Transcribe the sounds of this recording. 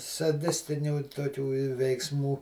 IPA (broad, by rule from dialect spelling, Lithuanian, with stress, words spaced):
sɐˈdʲɪsʲtʲɪnʲuː toːˈkʲuː ɪ ʋʲɛɪkˈsmuː